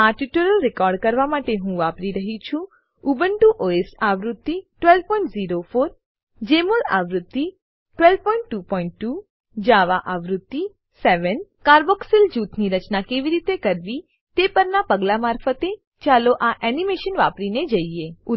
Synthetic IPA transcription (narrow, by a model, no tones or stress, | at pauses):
aʈiʈoɾəlɾɪkɔːɾɖkəɾʋamaʈeɦũʋapɾiɾəɦit͡ʃʰũ | ubəɳʈuʔoesaʋɾʊt̪ːiʈʋɛlʋpɔ̃ĩɳʈziɾofʰoːɾ | d͡ʒemola̰ʋɾʊt̪ːi | ʈʋɛlʋpɔ̃iɳʈːupɔiɳʈːu | d͡ʒaʋaʔaʋɾʊt̪ːi | sɛʋənkaːɾbɔksɪld͡ʒuːt̪niɾət͡ʃnakeʋiɾit̪ekəɾʋi | t̪epəɾnapəɡlamaːɾfət̪e | t͡ʃaloʔaʔɛnimeʃənʋapɾined͡ʒəie